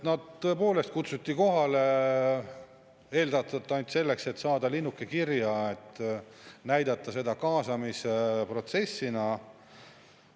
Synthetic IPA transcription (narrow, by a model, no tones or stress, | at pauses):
tnɑd̪̥t̪ːɤ̞epo̞ːle̞st̪̚kut̪sut̪ʲːiko̞ɦɑle | e̞ːld̪ɑt̪ːˑɑt̪ːˑɑnʲt̪ʲse̞lːe̞kse̞t̪ːsɑːd̪̥ɑlinːukːˑekirjɑet̪ː | næjd̪̥ɑt̪ːˑɑse̞d̪ɑkɑːsɑmisepro̞t̪se̞sːinɑ